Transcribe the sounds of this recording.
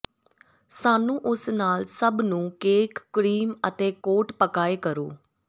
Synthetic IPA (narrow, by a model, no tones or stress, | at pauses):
saːnũːʔʊsnaːlsəbnũːkeːkːɾiːmət̪eːkoːʈpəkaːeːkəɾo̰ː